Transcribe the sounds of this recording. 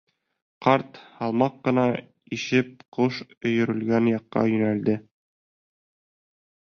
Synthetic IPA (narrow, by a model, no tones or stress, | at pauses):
qɑɾt̪hɑlˠmɑqːɤ̆nɑ | iɕɘp̚qoʃɵ̆jɵ̆ɾɘ̆lɡænjɑqːɑ̰jɵ̆næld̪ɘ